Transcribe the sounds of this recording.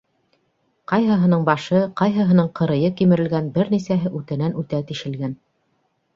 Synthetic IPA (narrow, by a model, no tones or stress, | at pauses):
qɑjɦɤ̆ɦɤ̆nɤɴbɑʃɤqɑjɦɤ̆ɦɤ̆nɤɴqɤ̆ɾɤ̆jɤkimɘ̆ɾɘ̆lɡænbɘɾnisæɦɘʔʉt̪ɘ̆nænʔʉt̪æt̪iʃɘ̆lɡæn